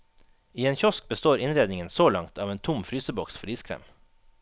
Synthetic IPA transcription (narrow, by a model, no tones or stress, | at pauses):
iːeːnçɔsk̚bəst̪oːɾɪnɾeːd̪nɪŋənsoːlɑŋt̪ʰɑːʋeːnt̪ʰʊmfɾyːsəbɔksfɔɾiːskʰɾḛːm